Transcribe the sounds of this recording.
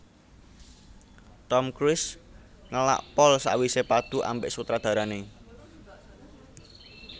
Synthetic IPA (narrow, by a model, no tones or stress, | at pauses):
t̪ɔmkɾɪs | ŋəla̰ʔpɔlsa̰ʔwisepad̪̥ṳʔa̰mbeʔsut̪ɾad̪̥a̤ɾane